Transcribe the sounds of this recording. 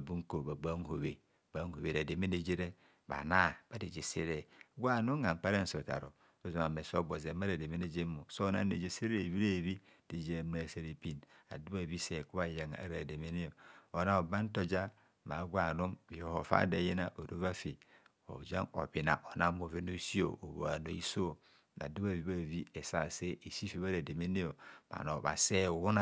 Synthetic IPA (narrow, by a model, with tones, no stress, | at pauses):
a˨bu˦ŋ˦ko˨ba˨ɡ͡ba˦ŋ˨ho˨βe˨ | ba˦ŋ˨ho˨βe˨ɾa˨de˨me˦ne˦˨d͡ʒe˦ɾe˦ | ba̰˨na˦˨b̥a˦di˨d͡ʒe˨se˦ɾe˦ɡʷa˦˨nu˦ɡa˨m̩˨k͡pa˦ɾe˦n̩˨so˨ta̰˨ɾo̰˨ | o˨zu˨ma˨me˨so˦ɡ͡bo˨ze˨˦ma˦ɾa˨de˨me˦ne˦d͡ʒe˦mu˨so˦na˦ne˨d͡ʒe˨se˦ɾe˦˨βi˦ɾe˦˨βi˦d̥i˨d͡ʒe˨m˦ɾa˨se˨ɾe˨pi˨na̰˨du˦a˦˨bi˦se˨ku˦a˦˨ja˨ŋ˨a̰˦˨ɾa˨de˨me˦ni˦o˨o˨na˦o˨ba˦n˦to˦d͡ʒa˦ | ma˨˦ɡʷa˨nu˦mi˨o˨ho˨fa̰˦de˨je˦na˦˨ʔo˨ɾo˦va˦fi˨ | o̰˨d͡ʒa̰˦ŋo̰˨bi˨na̰˨ʔo˨na˦mo˨ve˦no˦si˦o̰˦˨o˨βo̰˨a̰˨no˨i˦so˦˨ | na̰˨du˦ba˦˨vi˨˦ba˦˨vi˦e˨sa˦˨se˦ʔe˨si˦fi˨˦βa˦ɾe˨de˨me˦ne˦o˨ma̰˨no˨βa̰˨se˦˨wu˦na˦